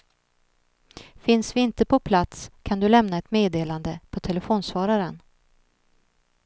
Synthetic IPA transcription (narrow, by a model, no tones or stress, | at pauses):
fɪnsvɪɪnt̪əpʰɔpʰlat̪skʰand̪ɵlɛmnaɛt̪meːd̪eːland̪əpʰɔt̪ʰɛlɛfoːnsvɑːɾaɾən